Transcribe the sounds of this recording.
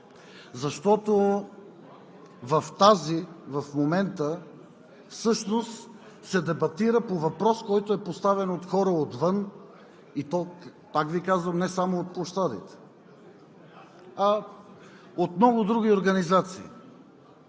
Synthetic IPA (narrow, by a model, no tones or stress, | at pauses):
zɐʃt̪ɔt̪o | vɐft̪azivɐfmomɛnt̪ə | fsɤʃnost̪ | sɛd̪ɛbɐt̪iɾəpovɐpɾɔskɔjt̪oɛpost̪avɛnot̪xɔɾəot̪vɤn | it̪ɔ | pakvikazvəmnɛsamoot̪̚plˠoʃt̪ad̪ḭt̪ɛ̥ | ɐ | ot̪mnɔɡʊd̪ɾuɡ̟ʲioɾɡɐnizat̪sḭː